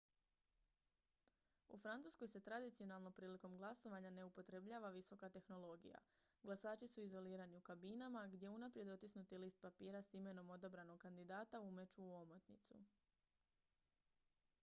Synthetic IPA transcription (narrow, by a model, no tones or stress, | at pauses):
ṵfɾant̪uːskojse̞t̪ɾad̪it̪sio̞nalˠno̞mpɾiːliko̞mɡlˠaso̞ʋaɲane̞upo̞t̪ɾe̞bʎaːʋaʋiso̞kat̪e̞xno̞lˠo̞ɡḭja̰ɡlˠasaːt͡ʃisuizo̞liːɾaniukabinamaɡd̪je̞unapɾje̞d̪o̞t̪isnut̪iliːst̪̚papiːɾasime̞no̞mo̞d̪abɾano̞ɡkand̪id̪aːt̪aume̞t͡ʃuːomot̪nḭt̪sṵ